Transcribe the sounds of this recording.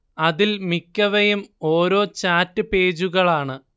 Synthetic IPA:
ɐðilmikʲːɐʋɐjumo̞ːɾo̞ːt͡ɕaːtːɨpe̞ːd͡ʑuɣɐɭaːɳɨ

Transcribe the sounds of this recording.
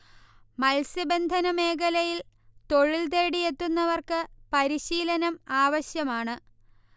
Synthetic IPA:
mɐlsɐbe̞nd̪ʱɐnɐme̞ːkɐlɐjil | t̪o̞ɻilt̪̬e̞ːɽije̞t̪ːunːɐʋɐrkɨpɐɾiɕiːlɐnɐmaːʋɐɕjɐmaːɳɨ

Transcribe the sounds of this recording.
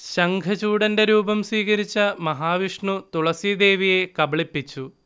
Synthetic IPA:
ɕɐŋɡʱɐt͡ɕuːɽɐnde̞ɾuːbɐmswiːɣɐɾit͡ɕːɐmɐɦaːʋiʂɳut̪uɭɐsid̪e̞ːʋije̞kɐbɐɭipːit͡ɕːu

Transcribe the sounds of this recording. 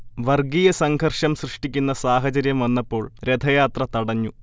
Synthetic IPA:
ʋɐrɡijɐsɐŋɡʰʱɐrʂɐmsrɨʂʈikʲːunːɐsaːɦɐt͡ɕɐɾjɐmʋɐnːɐpːo̞ːɭɾe̞d̪ʱɐjaːt̪rɐt̪ɐɽɐɲːu

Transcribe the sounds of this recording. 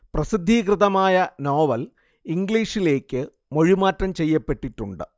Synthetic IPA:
prɐsid̪ʱːikrɨðɐmaːjɐno̞ːʋɐl | iŋɡliːʂile̞ːkʲːɨ | mo̞ɻimaːtrɐmt͡ɕejːɐpːe̞ʈːiʈːuɳɖɨ

